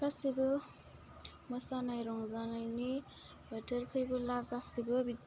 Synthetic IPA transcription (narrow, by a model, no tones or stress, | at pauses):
asibɯ | mɯsanajɾɔŋzanajni | betəɾpʰɯjbɯlaɡasibɯbit